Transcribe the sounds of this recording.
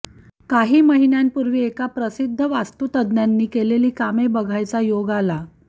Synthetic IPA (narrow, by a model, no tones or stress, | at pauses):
kaɦiːməɦinjanpuɾʋiːekapɾəsid̪ʱːəʋast̪ut̪əd̪njanːiːkeleliːkamebəɡʱajt͡sajoɡala